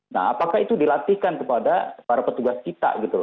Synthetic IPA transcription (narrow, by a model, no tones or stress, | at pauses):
na̰ɦapakahit̪udilat̪ihkankəpadapaɾapət̪uɡast͡ʃit̪a̰ʔɡit̪ul